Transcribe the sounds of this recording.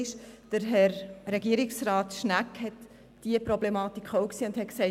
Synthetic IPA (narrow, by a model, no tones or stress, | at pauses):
ʃd̥əɾɦɛɾɾɛɡiəɾiksraːtʃnækhɛt | d̥iəpɾɔblɛmɑːt̪ikʰχoʊksiːʊnd̥hɛtksɛɪ